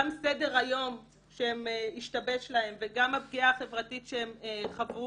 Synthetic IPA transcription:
amsede̞ʁajo̞m | ʃehemiʃtabe̞ʃlahe̞mveɡamhab̚ɡiaχe̞vʁatitʃeemeχavu

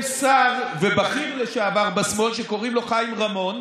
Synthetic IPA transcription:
saʁvebaχimleʃaavaʁbasmo̞lʃeko̞ʁimlo̞χajimʁamo̞n

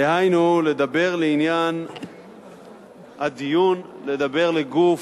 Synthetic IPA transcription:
ehajnule̞d̪abe̞ʁleinjan | had̪ijunle̞d̪abe̞ʁleɡuf

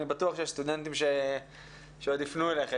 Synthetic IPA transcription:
nibat̪uaχʃejest̪ud̪ent̪imʃe | ʃeod̪ifnueleχe

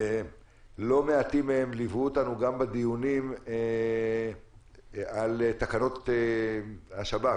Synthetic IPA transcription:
e | lo̞meat̪imeemlivuot̪anuɡambad̪ijunim | alet̪akano̞t̪ | haʃaba

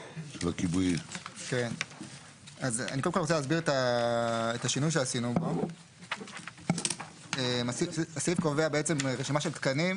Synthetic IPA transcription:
ʃelakibujiken | aza̰nikodmkolʁt͡selaːzbiʁet̪a | et̪aʃinujʃeasinubo̞ | emasiasifkoveabeet͡se̞mʁeʃimaʃelt̪kanim

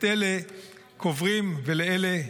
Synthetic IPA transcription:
ele | kʰovʁimveleele

